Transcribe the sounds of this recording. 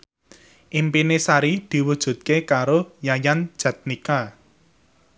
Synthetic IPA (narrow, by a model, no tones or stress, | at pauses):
ʔimpinesaɾid̪̥i̤wud̥ʒ̥ṳt̪̚kekaɾojajan̥ʒ̥ä̤t̪̚nika